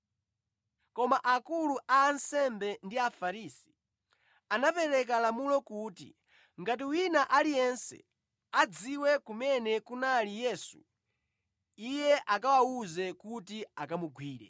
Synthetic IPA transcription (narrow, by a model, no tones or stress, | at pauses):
kɔmaʔakuluʔaːnsɛmbɛndiafaɾiːsi̥ | anapɛɾɛk̬alamulɔkuːtḭ | ŋɡat̬iwinaʔalijɛnsɛ̰ | ad͡ziwɛkumɛnɛkunalijɛːsṵ | ijɛʔakawauzɛkutiakamuɡʱwiːɾɛ̰